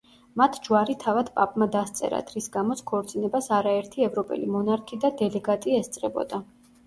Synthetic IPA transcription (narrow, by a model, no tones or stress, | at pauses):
mat̪ʰd͡ʒwaɾit̪ʰavad̪pʼapʼmad̪ast̪sʼɛ̰ɾa̰t̪ʰɾisɡamɔt̪sʰkʰɔɾt̪sʼinɛbasaɾaɛɾt̪ʰiɛvɾɔpʼɛ̰limɔnaɾkʰid̪ad̪ɛlɛɡat̪ʼiɛst̪sʼɾɛbɔ̰d̪a